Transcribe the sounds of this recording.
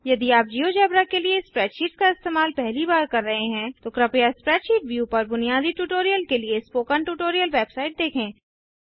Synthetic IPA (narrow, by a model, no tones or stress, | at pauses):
jɐd̪iaːp̚d͡ʒiːod͡ʒɛːbɾakeliespɾɛːʈʃiːʈskaɪst̪eːmaːlpɛɦlibaːɾkɐɾːɐɦeɦɛ̃t̪okɾɐpijaspɾɛːʈʃiːʈ̚ʋjupɐɾbʊnijaːd̪iʈuːʈoːɾijəlkeliespoːkənʈuːʈoːɾijəlʋeːbsaːɪʈ̚d̪eːkʰẽː